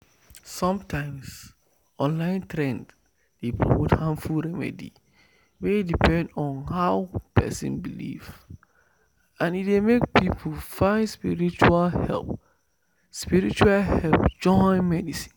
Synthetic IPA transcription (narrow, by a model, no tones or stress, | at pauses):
sɔ̃mtʰãɪ̃ms | ɔ̃nlãɪ̃ntʰɾɛ̃nd | d̥epʰɹo̰mothãnfulɹɛmɛ̰dḭ | wɛidipʰɛ̃ndɔ̃nhaʊpʰɛ̰sɪ̰̃nbilḭv | ãnitdemek̚pʰipʰufãɪ̃nspiɹit͡ʃualhɛ̰lˠp | spiɹit͡ʃualhɛlpd͡ʒɔ̃ɪ̃nmɛdisĩ̥n